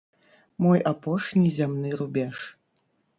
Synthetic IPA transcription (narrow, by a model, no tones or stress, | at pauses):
mɔjapɔʂnʲizʲamnɨɾubʲɛʂ